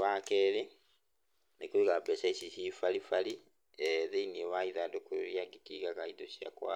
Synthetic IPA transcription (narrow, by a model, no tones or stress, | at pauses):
βakeɾi | nekuiɣapesaisiʃifalifali | eðeinieβaiðadokuɾɾjaɡikiɣakaid̪oʃia̰kwa̰